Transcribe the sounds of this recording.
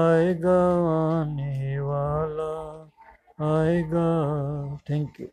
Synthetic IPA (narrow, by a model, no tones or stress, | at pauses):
aeɡaʋaniʋaːla | aːeɡa | t̪ʰɛ̃ŋkjṵ